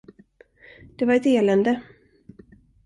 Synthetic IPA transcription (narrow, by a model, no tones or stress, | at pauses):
d̪̥ɛvaɾɛt̪eːlɛnd̪ə